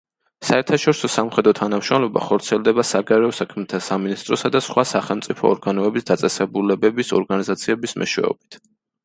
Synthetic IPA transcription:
saɛɾt̪ʰaʃɔɾisɔsamχɛd̪ɾɔt̪ʰanamʃɾɔmlɔba̰χɔɾt̪sʰiɛlˠd̪ɛbasaɡaɾɛɔsakʰmɛt̪ʰasaminist̪ʼɾɔsad̪asχwasaχɛlˠmt̪sʼipʰɔ̰ːɾɡanɔɛbisd̪at̪sʼɛsɛbulɛbɛbisɔɾɡanizat̪sʰiɛbismɛ̰ʃwɛ̰ɔ̰bi̥t̪ʰ

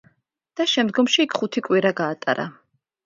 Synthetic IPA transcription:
d̪̥aʃɛmd̪ɡɔmʃiːkʰχut̪ʰikʼwiɾaɡaːt̪ʼa̰ɾa̰

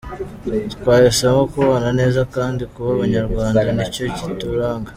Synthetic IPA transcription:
tkwaːjesamokuβanane̞ːzakaːndikuβaβaɲaɾɡwaːndanico̞cituɾaːŋɡa

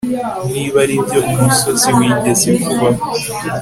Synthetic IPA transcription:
niβaɾibjo̞ʔumuso̞zemwiːndesekuβa

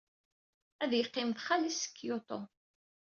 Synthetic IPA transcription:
æðjəqːɪmθχalisə̥kːjot̪ˤo

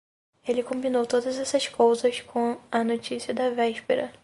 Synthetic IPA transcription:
elɪkõmbinowt̪od̪ɐzɛsɐskowzɐskõɐnot͡ʃisiɐd̪ɐvɛʃpeɾɐ

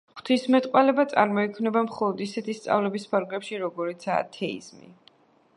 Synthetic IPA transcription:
χχt̪ʰismɛt̪ʼqʼwalɛbat̪sʼa̰ɾmɔikʰmnɛbamχɔlˠɔd̪isɛt̪ʰist̪sʼa̰vlɛbispʰaɾɡlɛpʃiɾɔɡɔɾit̪sʰa̰ːt̪ʰɛḭz̥mḭ

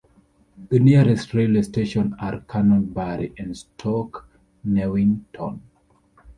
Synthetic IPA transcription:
ðəniɹɛstɹelasteʃɔ̃naɹkʰanɔ̃nbaɹḭʔɛ̃nstʰɔk | newĩŋtʰɔ̰̃n

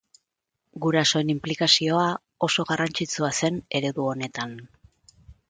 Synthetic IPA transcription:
ɡuɾaso̞e̞nimplikasio̞a | o̞so̞ɣarant͡sit͡suase̞ne̞ɾe̞ðuo̞ne̞t̪an

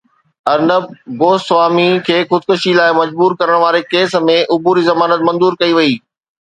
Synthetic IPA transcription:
ɐɾnəb̚ɡoːst̪ʋaːmikʰeːxʊd̪̚kʊʃilaːɪmɐd͡ʑbuːɾkɐɾəɽ̃ʋaːɾekeːs̆mẽʔʊbuːɾizɐmaːnət̪mɐ̃nzuːɾkɐiʋɐiː

